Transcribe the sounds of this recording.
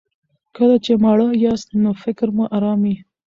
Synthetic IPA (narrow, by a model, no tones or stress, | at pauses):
kəlat͡ʃemɑɽəjɑst̪nofɪkɾmuʔaɾɑmi